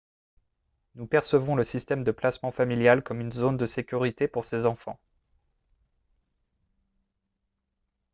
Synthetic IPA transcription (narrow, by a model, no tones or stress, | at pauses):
nupɛʁsəvɔ̃ləsist̪ɛmd̪əplasmɑ̃familjalkɔmynzond̪əsekʲyʁit̪epuʁsezɑ̃fɑ̰̃